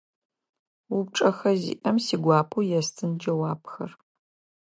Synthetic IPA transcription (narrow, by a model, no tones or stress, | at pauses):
up̚ʈ͡ʂʼɐxɐzḭːʔɐmsiːɡʷɑːpʰuːjɛstʰɨnd͡ʒɐwaːpʰxɐ̰r